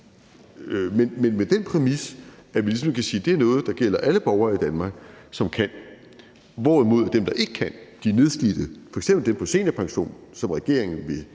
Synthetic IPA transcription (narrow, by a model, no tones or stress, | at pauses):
menmenmed̥enpʰʁɛmisæʋilis̬ɒ̽mkʰæsiːd̥e̝æɐnɔ̽ːð̞̩ˠd̥ɑ̈ɡ̥el̰ɐʔæləb̥ɒʊɐid̥ænmɑ̈ːɡ̥sɒ̽mkʰæn̰ | ʋɒːʁimo̝ð̞̰ˠæɐd̥emd̥ɑ̈ʔe̝ɡ̥əkʰænd̥iæne̝ð̞ˠsɡ̥id̥ð̩ˠfɒ̽eɡ̥semb̥l̩d̥empʰɒ̽se̝̰ːnæpʰɑ̈ŋɕo̝̰ːnsɒ̽mʁɛɡ̥e̝ɐ̰e̝ŋn̩ʋe̝